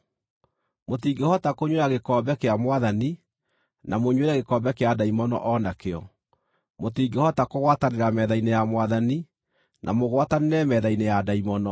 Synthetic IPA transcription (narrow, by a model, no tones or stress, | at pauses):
motiːɡehɔtakoɲweɾaɣekɔbɛkeamwaðani | namoɲweɾaɣekɔbɛkeadaimɔnɔ̰ʔɔnakeɔ | motiːɡehɔtakoɣwataneɾamɛðainejamwaðani | nʔa̰moɣwataneɾɛmɛðainejadaimɔnɔ